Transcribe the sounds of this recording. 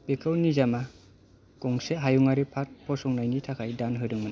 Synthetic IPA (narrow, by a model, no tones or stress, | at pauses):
pekʰawnizama | kɔŋseɦajuŋaɾipʰaɾ̚pʰɔsɔŋnajnitʰakʰajdanɦɯɾɯŋmɯna